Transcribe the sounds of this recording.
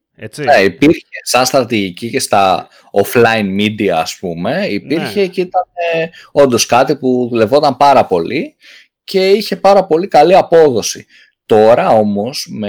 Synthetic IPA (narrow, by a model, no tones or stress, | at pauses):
neipiɾçesɐnst̪ɾɐt̪iʝicice̞st̪ɐ | oflɐinmid̪iɐːspume̞ipiɾçe̞cit̪ɐneo̞nd̪o̞skɐt̪ipuðule̞vo̞t̪ɐmpɐɾɐpo̞li | ce̞içe̞pɐɾɐpo̞likɐliɐpo̞ðo̞si | t̪o̞ɾɐo̞mo̞sme